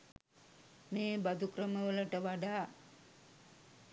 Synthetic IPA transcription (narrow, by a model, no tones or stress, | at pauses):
meːbad̪ukɾəməʋələʈəʋaɖaː